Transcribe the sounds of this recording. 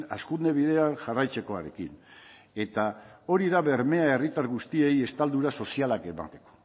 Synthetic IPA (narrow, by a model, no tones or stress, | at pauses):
a̰skund̪e̞β̞iðe̞anʝarajt͡se̞ko̞aɾe̞̰kḭn | e̞t̪ao̞ɾiðaβe̞ɾme̞ae̞rit̪aɾɣust̪ie̞je̞st̪ald̪uɾaso̞sialake̞ma̰nt̪e̞̥ko̥